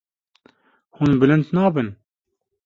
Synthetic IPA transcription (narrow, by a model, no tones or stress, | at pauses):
hunbɨlɨnd̪nɑːbɨn